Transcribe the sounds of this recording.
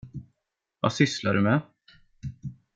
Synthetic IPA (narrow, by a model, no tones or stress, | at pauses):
va̰sʏslaɖɵmɛ